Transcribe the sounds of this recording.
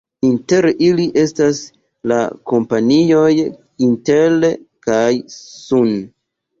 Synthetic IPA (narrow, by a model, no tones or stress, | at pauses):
inte̞ɾiliʔe̞stas | la̰ko̞mpanijo̞j | inte̞lkajsun